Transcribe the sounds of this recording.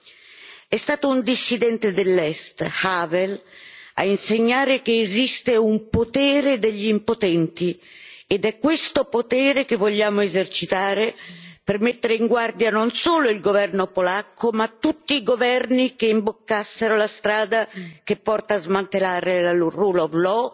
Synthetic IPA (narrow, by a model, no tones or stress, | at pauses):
ɛst̪aːt̪ound̪isːid̪ɛnt̪ed̪elːɛst̪havɛla̰inseɲːaːɾekeːzist̪eumpot̪ɛːɾed̪eʎːiimpot̪ɛnt̪i | ed̪ɛkːwest̪opot̪ɛːɾekevːoʎːaːmoezert͡ʃit̪aːɾepermet̪ːeɾeiŋɡward̪janonsoːloilɡovɛrnopolakːomat̪ːut̪ːiːɡovɛrnikeimbokːasːeɾolast̪ɾaːd̪akepːɔrt̪aːzmant̪elaːɾelaloruːlovlɔ